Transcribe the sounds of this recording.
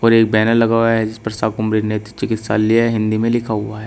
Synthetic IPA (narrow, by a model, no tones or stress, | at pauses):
ɔːɾeːk̚bɛːnəlːɐɡaːwaɦɛd͡ʒɪspɐɾsaːkʊmɾiɾnet̪t͡ʃɪkɪt̪sa̰ːlːiaɦɛɦɪ̃nd̪imẽlɪkʰaɦʊaɦɛː